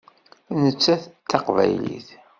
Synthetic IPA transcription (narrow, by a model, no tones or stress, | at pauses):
nət͡sːæθt̪ːɑqvæ̰jlḭθ